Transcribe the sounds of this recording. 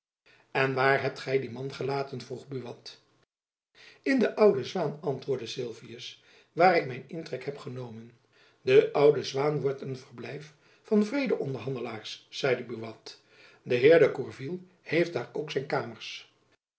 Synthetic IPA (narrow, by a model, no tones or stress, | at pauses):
ɛnʋaːɹɦɛp̚tχɛjdimɑnχəlaːtənvruχbyʋɑt | ɪndəʔʌwdəzʋaːnɑntʋʊːɹdəsɪlˠviəs | ʋaːɾɪk̚mɛjnɪntrɛkɦɛpχənowmən | dəʔʌwdəzʋaːnʋɔɹtənvərblɛjf | fɑnvrejdəʔɔndəɹɦɑndəlaːɹsːɛjdəbyʋɑt | dəɦɪːɹdəkuɹvilˠ | hejft̚d̥aːɹowksɛjnkaːməɹs